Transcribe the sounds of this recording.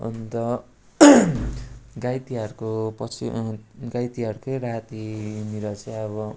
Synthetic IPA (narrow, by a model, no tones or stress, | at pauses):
ṵnt̪ʌ | ɡajt̪iɦʌrkopʌsḭɡajt̪iɦʌɾukoɾaɦt̪iniɾʌt͡sʌj̃ʌβʌ